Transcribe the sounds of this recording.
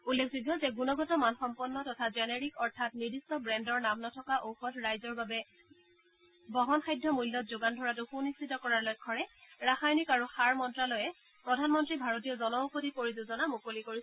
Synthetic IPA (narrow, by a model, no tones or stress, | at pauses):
ulːekʰzuɡjɔzɛɡunɔɡɔtɔmanxɔmpɔnːɔtɔtʰazɛneɹikɔɹtʰatniɹdistɔbɹɛndɔɹnamnɔtʰɔkaʔowxɔtɹajzɔɹbabɛ | bɔɦɔnxajdʱːɔmujlːɔtzoɡandʱɔɹatʊxunistitɔkɔɹaɹlɔjkʰːɔɹɛɹaxajnikaɹuxaɹmɔntɹalɔjɛ | pɹɔdʱanmɔntɹibʱaɹɔtijɔzɔnɔkodikoɹizuzɔnamukolikoɹisɛ